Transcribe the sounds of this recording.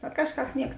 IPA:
bʲɛt ˈkɑːʃˌkɑːp ˈnʲiɛk

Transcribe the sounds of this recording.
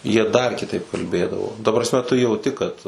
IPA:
jiɛ dɐr kʲɪˈtɐɪp kɐlʲˈbʲeːdɐʋoː tɐ prɐsʲˈmʲɛ tʊ jɛʊˈtʲɪ kɐt

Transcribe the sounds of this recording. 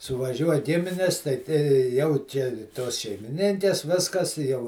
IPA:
sʊʋɐˈʒʲuɔj ˈɡʲɪmʲɪnʲɪs ˈtɐɪ tʲɛ ˈjɛʊ t͡ʃʲɛ ˈtoːs ʃʲɛɪmʲɪˈnʲɪŋʲkʲɛs ˈʋʲɪskɐs ɪ jɛʊ

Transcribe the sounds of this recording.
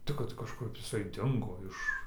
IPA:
ˈtʲɪk kɐt kɐʃˈkʊp ɪˈsɐɪ ˈdʲɪŋɡoː ˈɪʃ

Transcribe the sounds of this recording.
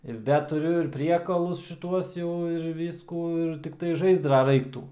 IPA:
ɪr ˈdɐ tʊˈrʲʊ ɪr ˈpʲrʲiɛkɐlˠʊs ʃʲɪˈtuɔs jɛʊ ɪr ˈʋʲiːskuː ɪr tʲɪkˈtɐɪ ˈʒɐɪzdrɐ ˈrɐɪktuː

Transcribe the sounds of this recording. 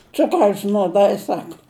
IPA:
ˈt͡sʊkrɐʊs nuɔˈdɐɪ ˈsɑːkɐ

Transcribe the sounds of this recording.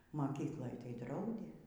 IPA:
mɐˈkʲiːklˠoːj tɐɪ ˈdrɐʊdʲeː

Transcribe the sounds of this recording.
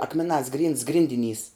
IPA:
ˈɑːkmʲɛˌnɑːs ɡrʲiːnts ˈɡrʲɪnʲdʲɪˌnʲiːs

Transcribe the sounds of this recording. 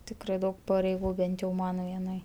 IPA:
ˈtʲɪkrɐɪ ˈdɐʊk pɐrʲɛɪˈɡuː ˈbʲɛnt jɛʊ ˈmɐn ʋʲiɛˈnɐɪ

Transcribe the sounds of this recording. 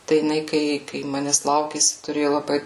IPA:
tɐɪ jɪˈnɐɪ ˈkɐɪ kɐɪ ˈmɑːnʲɛs ˈlˠɐʊkʲeːsʲɪ tʊˈrʲeːjʊ lˠɐˈbɐɪ

